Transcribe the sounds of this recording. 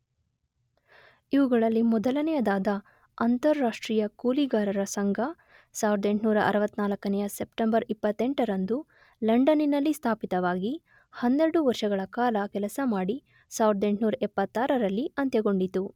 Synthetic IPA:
iʋuɡɐɭɐlːimɔd̪ɐlɐnɛjɐd̪aːd̪ɐ | ɐnt̪ɐɾːaːʂʈɾiːjɐkuːliɡaːɾɐɾɐsɐŋɡʱɐ | saːʋiɾd̪e̞ɳʈnuːɾɐʔɐ̰ɾɐʋɐt̪ːnaːlɐkːɐnɛjɐsepʈembɐɾipːɐt̪ːeɳʈɐɾɐnd̪u | lɐɳɖɐninɐlːist̪ʰaːpit̪ɐʋaːɡi | hɐnːeɾɐɽuʋɐɾʂɐɡɐɭɐkaːlɐkɛlɐsɐmaːɽi | saːʋiɾd̪e̞ɳʈnuːɾɐʔɛpːɐt̪ːaːɾɐɾɐlːiɐnt̪jɛɐɡo̞ɳɖit̪u

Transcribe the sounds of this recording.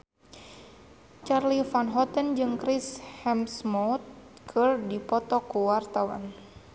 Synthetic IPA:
t͡ʃarlifanɦɔt̪ənd͡ʒɨŋkɾishɛmsmɔt̪̚kʰɨrdipɔt̪ɔkuwart̪awa̰n

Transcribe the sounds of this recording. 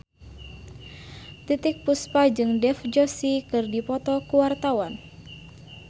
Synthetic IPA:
t̪it̪ɪk̚puspad͡ʒɨŋdɛfd͡ʒɔsikɨrdipɔt̪ɔkuwart̪awan

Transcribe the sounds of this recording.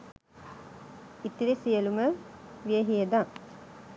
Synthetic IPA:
it̪iɾesijəluməʋijəɦiəd̪aŋ

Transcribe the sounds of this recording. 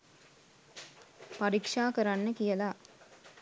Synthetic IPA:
pɐɾikʂaːkɐɾanːɐkɪjɐlaː

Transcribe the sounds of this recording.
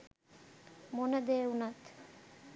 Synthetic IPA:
monəd̪ejunat̪

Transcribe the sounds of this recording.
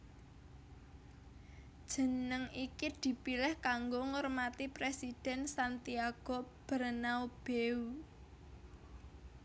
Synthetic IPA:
d̥ʒ̥ə̤nəŋikid̪̥i̤pilɪhkaŋɡoŋɔrmat̪ipɾesid̪̥ɛ̤nsant̪iaɡ̥ob̥əɾənaub̥eu

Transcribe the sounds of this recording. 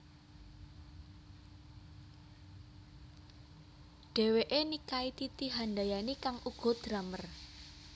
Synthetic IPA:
ɖ̥e̤weʔenikait̪it̪iɦanɖajanikaŋʔuɡ̥ɔ̤d̪̥ɾamər

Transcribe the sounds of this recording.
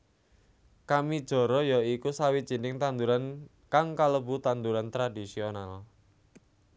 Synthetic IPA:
kamid̥ʒ̥ɔ̤ɾɔjɔikusawid̥ʒ̥i̤nɪŋt̪and̪uɾan | kaŋkaləbut̪and̪uɾant̪ɾadisional

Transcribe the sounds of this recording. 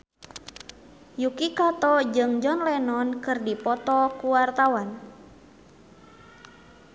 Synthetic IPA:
jukikat̪ɔd͡ʒɨŋd͡ʒɔnlɛnɔnkɨrdipɔt̪ɔkuwart̪awan

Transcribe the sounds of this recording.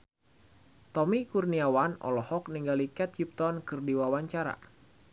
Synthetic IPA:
t̪ɔmikurniawanɔ̰lɔhɔk̚niŋɡalikɛt̪̚t͡ʃip̚t̪ɔnkɨrdiwawaɲt͡ʃaɾa̰

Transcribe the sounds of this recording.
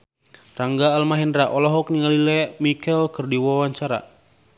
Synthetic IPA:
raŋɡaːlmaɦɛndɾaʔɔlɔɦɔk̚niŋalilɛmikɛlkɨrdiwawaɲt͡ʃaɾa̰

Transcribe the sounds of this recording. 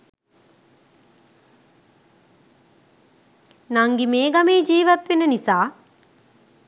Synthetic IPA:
naŋɡimeːɡɐmeːd͡ʒiːʋɐt̪ʋenənisaː

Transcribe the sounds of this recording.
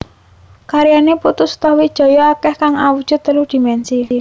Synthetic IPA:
kaɾijaneput̪ʊst̪ɔhwid̥ʒ̥ɔ̤jɔakɛhkaŋawud̥ʒ̥ʊ̤d̪t̪ːəlʊhd̪̥i̤mɛnsi

